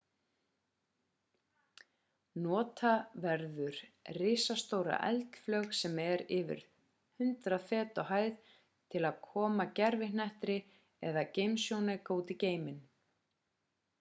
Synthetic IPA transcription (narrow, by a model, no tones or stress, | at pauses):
nɔːt̪ʰavɛɾðʏɾ̥rɪsast̪owɾa̰ʔɛ̰lt̪flœxsɛmɛɾɪvɪ̰ɾ̥ | hʏnt̪ɾaðfɛːt̪ɔɦaːjð | t̪ʰɪlaðkʰɔːmacɛɾvɪnɛht̪ɾɪ | ɛðacejmsjownakoːwt̪ɪceːjmɪn